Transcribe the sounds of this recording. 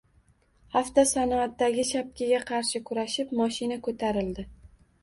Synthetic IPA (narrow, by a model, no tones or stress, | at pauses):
haft̪asanɒat̪ːaɡʲɪʃap̚kʲʰɪɡʲaqʰɑɾʃɪkʰʊɾaʃɪpmɒʃɪnakʰot̪ʰaɾɪld̪ɪ